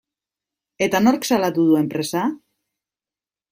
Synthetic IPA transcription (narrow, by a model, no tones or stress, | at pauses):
e̞t̪ano̞ɾksalat̪uðue̞mpɾe̞sa